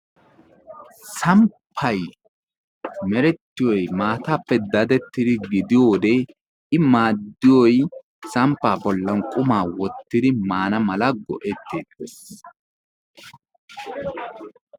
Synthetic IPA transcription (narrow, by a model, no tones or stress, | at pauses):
sɐmpʰːɐj | mɛɾɛt̪ːɪjɔjmaːt̪aːpːɛd̪ɐd̪ɛt̪ːɪd̪ɪɡɪd̪ɪjoːd̪e | ɪmaːd̪ːɪjɔj | sɐmpːaːbɔlːɐnkʼʊmaːwɔt̪ːɪd̪ɪmaːnɐmɐlɐɡɔ̰ʔɛt̪ːeːt̪es